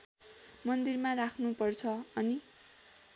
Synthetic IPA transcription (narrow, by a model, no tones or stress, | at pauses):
mʌnd̪irmarakʰnupʌrt͡sʰʌʌni